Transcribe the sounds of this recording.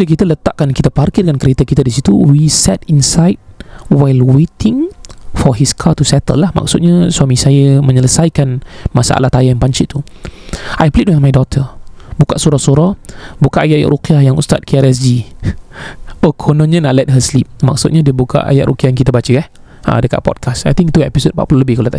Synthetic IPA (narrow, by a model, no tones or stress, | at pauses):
ik̬it̪ələt̪aʔkankit̪aparkit̚dəŋankəɾet̪akit̪adisit̪uwisɛt̪̚insajt̚wajlwet̪ʰɪŋfɔɦiskʰat̪usɛt̪ə̰lːahma̰k̚sʊt̪̚ɲaswamĩsajəmə̃ɲələsajkanmasa̰ʔa̰laht̪ajajanpaɲt͡ʃɪʔt̪ːu | ajplit̚wanmajdɔt̪ʰəbukaʔsuɾahsuɾabukaʔajaʔja̰ʔɾukiajaŋṵst̪at̪̚kiaɾɛs̬d͡ʒi | okʰɔnɔ̃nɲanaʔlɛt̚ɦəslip̚ma̰k̚sʊt̪̚ɲadiəbukʰa̰ʔa̰jaʔɾʔukiajaŋkit̪əbat͡ʃəɛh | ã̰dəka̰ʔ̚pɔ̰d̚kʰasajt̪ĩŋkt̪uɛpisod̚mpaʔpuloləbɪhkalot̪a